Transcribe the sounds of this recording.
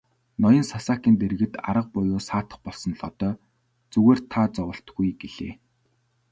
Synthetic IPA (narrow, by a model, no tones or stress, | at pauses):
nɔjɞ̆nsasaːkiːnt̪erɣɘ̆t̪a̰ɾə̆q̚pʊjoːsaːt̪ə̆χpɔɮsɞ̆nɮɔt̪ɔː | t͡sɵɣeːrt̪ʰaːt͡sɔwə̆ɬt̪ɡujɡeɮḛː